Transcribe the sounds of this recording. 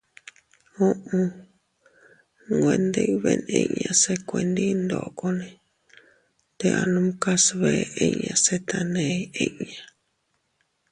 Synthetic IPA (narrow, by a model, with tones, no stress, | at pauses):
õ˦ʔũ˧ | ŋɡʷẽ˧nd̪e˧i˧βḛ˧nḛ̃˧˨ɲã˧se˦kʷe˧˨nd̪i˦nd̪o˨ko˧nẽ˧ | t̪e˧ʔa˧nũ˦mka˦sβe˧e˧ɲã˧se˦t̪a˧nẽ˧˦e˧˦ʔɲã˨